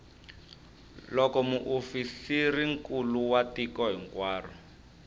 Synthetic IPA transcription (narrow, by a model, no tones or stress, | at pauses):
lɔkɔmuʔofisiriŋkuluwatikɔɦiŋkwaːrɔ